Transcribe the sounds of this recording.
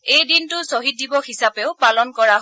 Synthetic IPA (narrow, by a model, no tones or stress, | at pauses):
ejdintʊsoɦit̚dibɔxisapeʊpalɔnkɔɹaɦ